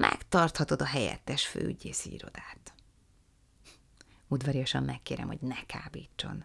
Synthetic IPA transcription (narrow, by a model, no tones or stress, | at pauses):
mʔɛ̰kt̪ɒrt̪hɒt̪o̞d̪ɒɦɛjɛ̰t̪ːɛʃfø̰ːyɟeːʃiḭːɾo̞̰d̪aːt̪ | ud̪ʋɒɾijoʃɒmːɛkːeːɾɛ̰mho̞ɟnɛkʰaːbiːt͡ʃːo̞̰n